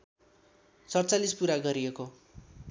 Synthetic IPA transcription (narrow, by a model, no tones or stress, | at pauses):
t͡sʌrt͡salispuɾaɡʌɾieko